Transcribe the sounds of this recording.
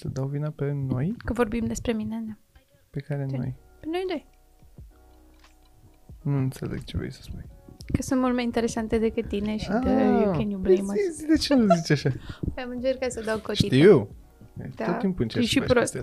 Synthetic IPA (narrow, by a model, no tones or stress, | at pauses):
səd̪awvinəpeno̞jkəvo̞rbimd̪e̞spɾe̞mined̪a | pekaɾeno̞̰jpeno̞jnoj | nuɨnt̪sḛlḛɡ̥t͡ʃevḛjsə̥spujkəsũnt̪mult̪majint̪eɾesant̪ed̪ekɨt̪̚t̪ːineʃiad̪eokʲenjublejməd̪et͡ʃenuzit͡ʃaʃajamɨnt͡ʃeɾrkːasəd̪awkot̪it̪iw | d̪aot̪ːimpuɨnt͡ʃeʃipɾos